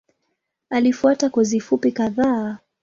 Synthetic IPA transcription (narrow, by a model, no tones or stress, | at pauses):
alifuatakɔzifupikaðaː